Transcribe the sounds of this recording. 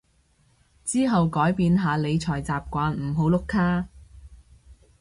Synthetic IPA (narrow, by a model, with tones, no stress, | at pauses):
t͡siː˥ɦɐ˨wkɔː˨˥jpiː˨˧nɦaː˨˧le˨˧jt͡ʃʰɔː˨˩jt͡saː˨p̚kʷaː˨˧nm̩˨˩ɦo˨˥wlʊ˧˥kʰːaː˥